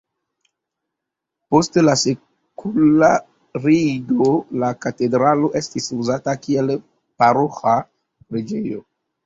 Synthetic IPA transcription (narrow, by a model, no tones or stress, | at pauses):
postelase | kʰula | ɾiɡolakatedɾalo̞ʔestisuzatakiel | paɾoxa | pɾed͡ʒejo